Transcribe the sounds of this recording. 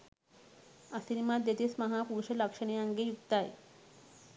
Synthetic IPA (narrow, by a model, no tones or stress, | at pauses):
asiɾimad̪et̪esmaɦapuɾuʃeləkʃəñiaŋɡejukt̪aj